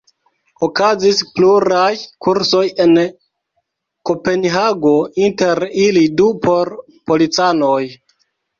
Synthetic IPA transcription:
okazispluɾajkuɾso̞je̞n | ko̞pe̞nɦaɡo̞inte̞ɾilidupʰo̞ɾ | po̞lit͡sanoj

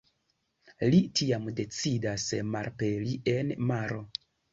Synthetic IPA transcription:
litiamde̞t͡sidasmaɾpelie̞nmaɾo̞

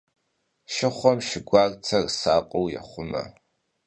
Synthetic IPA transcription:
ʃɪχʷɔmʃɪɡʷaːrt͡sʰɐrsaːqʼowjɛ̰χʷʊmɐ̰

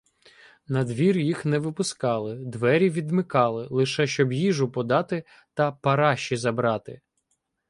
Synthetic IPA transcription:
nɐd̪ʋʲirjixnɛʋɪpʊskɑlˠɪd̪ʋɛɾʲiʋʲid̪mɪkɑlˠɪlˠɪʃɛʃt͡ʃɔbjiʒʊpɔd̪ɑt̪ɪ | t̪ɐpɐɾɑʃt͡ʃːizɐbɾɑt̪ɪ̰

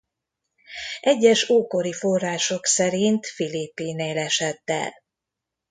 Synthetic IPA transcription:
ʔɛɟːɛʃoːko̞ɾifo̞rːaːʃo̞ksɛɾint̪filipːineːlɛʃɛt̪ːɛ̰l

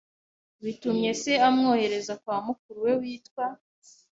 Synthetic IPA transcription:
βitumɲe̞se̞amŋo̞ːhe̞ɾe̞zakwaːmuk̚uɾuwe̞wiːtkwa

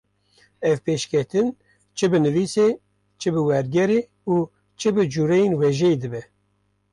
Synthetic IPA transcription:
ɛvpeːʃkʰʲɛt̪ɨn | t͡ʃʰɨbɨnɨviːse | t͡ʃʰɨbɨwɛɾɡɛɾeː | uː | t͡ʃʰɨbɨd͡ʒuːɾɛjenwɛʒɛed̪ɨbɛ

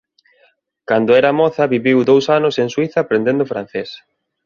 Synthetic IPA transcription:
kand̪ʊɛɾamɔθɐβiβiwd̪owsanʊsẽŋswiθɐpɾẽnd̪ẽnd̪ʊfɾãn̟θes

